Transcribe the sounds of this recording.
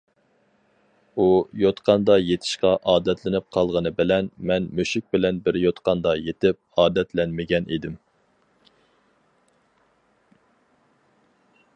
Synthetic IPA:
ujot̪qʰɑnd̪ɑjet̪ʰɪ̥ʃqɑʔɑːd̪ɛt̪ʰlɪnɪp̚qʰɑlˠʁənɨbɪlɛnmɛnmøʃyk̚ʲbɪlɛnbɪɾjot̪qɑnd̪ɑjet̪ɪp̚ɑːd̪ɛt̪ʰlɛnmɪɡʲɛnʔḭd̪ɪm

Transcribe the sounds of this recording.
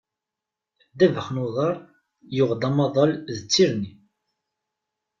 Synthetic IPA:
d̪ævəχnuðˤɑɾˤ | jʊʁd̪ɑmɑðˤɑlðət͡sːiɾni

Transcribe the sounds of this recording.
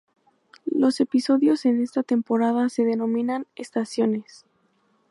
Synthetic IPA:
lo̞se̞piso̞ðjo̞se̞ne̞st̪at̪e̞mpo̞ɾaðase̞ðe̞no̞mĩnanest̪asjo̞ne̞s

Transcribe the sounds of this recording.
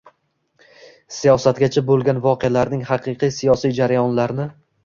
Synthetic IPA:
sijɒsat̪̚ɡʲat͡ʃʰabolˠɡʲanvɒqʰealaɾnɪŋhɑqʰɨqʰɨjsijɒsijd͡ʒaɾajɒnlaɾnɪ

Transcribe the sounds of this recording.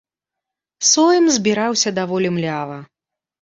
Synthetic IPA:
sɔjɛmzʲbʲiɾawsʲɐd̪avɔlʲimlʲavɐ

